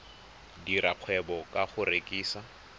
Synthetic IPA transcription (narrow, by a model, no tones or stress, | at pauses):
diraq͡χʰwɛbɔkʼaχʊɾekʼiːsa